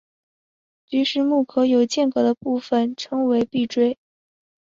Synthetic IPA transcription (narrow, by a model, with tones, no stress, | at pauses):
t͡ɕy˧˥ʂɻ̩˥˧mu˥˩kʰɤ˧˥jo˨˩ʊt͡ɕjɛ˥˩nkɤ˧˥d̪ə˦pu˥˩fə˨˩nʈ͡ʂʰɤ˧˥ŋwe˧˥ɪpi˥˩ʈ͡ʂwe˥ɪ